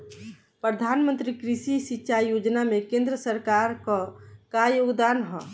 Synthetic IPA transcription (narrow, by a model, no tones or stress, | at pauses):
pɾəd̪ʱaːnmə̃nt̪ɾikɾiʃisitːʃajjoːd͡ʒnamẽkẽnd̪ɾəsəɾkaɾkakajoɡd̪anɦɔ